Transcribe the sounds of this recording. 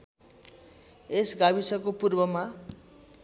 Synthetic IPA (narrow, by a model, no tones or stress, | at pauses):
esɡabisʌkopurbʌma